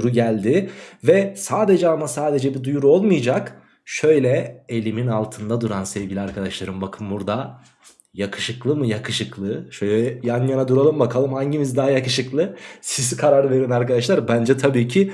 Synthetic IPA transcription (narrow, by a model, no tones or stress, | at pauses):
ɾuɟælʲd̪ɪvɛsaːd̪e̞d͡ʒɛamasaːd̪e̞d͡ʒɛbid̪ujuɾuo̞lˠmɯjad͡ʒak | ʃø̞jlʲɛelʲiminalˠt̪ʰɯnd̪ad̪uɾansɛvɟilʲiaɾkʰad̪aʃlˠaɾɯmbakʰɯmbuɾd̪a | jakʰɯ̥ʃɯklˠɯmɯjakʰɯʃɯklˠɯʃøjlʲɛɛjanjanad̪uɾalˠɯmbakʰalˠɯmhaɲɟimizd̪aɦajakɯʃɯklˠɯsizkʰaɾaɾɯve̞ɾimaɾkad̪aʃlˠaɾbænd͡ʒɛt̪ʰabiːcʰi